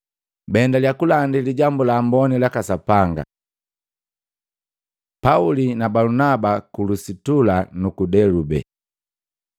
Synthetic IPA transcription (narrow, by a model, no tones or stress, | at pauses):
bɛndaljakulandiliɟambulaːmbɔnilakasapaŋɡa̰ | paulinabalunabakulusitulanukudɛlubɛ̰